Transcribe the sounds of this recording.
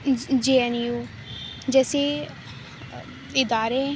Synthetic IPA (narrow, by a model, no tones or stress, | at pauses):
d͡ʒeːɛnjuː | d͡ʒɛːsiː | ɪd̪aːɾeː